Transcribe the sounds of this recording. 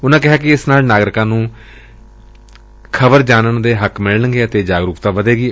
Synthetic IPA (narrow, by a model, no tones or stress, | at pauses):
ʊnãːkɪɦaːk̬ɪɪsnaːlnaːɡɾɪkãːnũː | kʰəbəɾd͡ʒaːnənd̪eːɦəkmɪɭnəŋɡeːət̪eːd͡ʒaːɡɾuːkt̪ãːʋəd̪eːɡiː